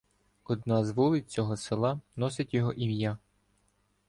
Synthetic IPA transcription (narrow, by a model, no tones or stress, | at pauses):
ɔd̪nɑzʋulˠɪt͡sʲɔɦɔsɪlˠɑnɔsɪtʲjɔɦɔʔimja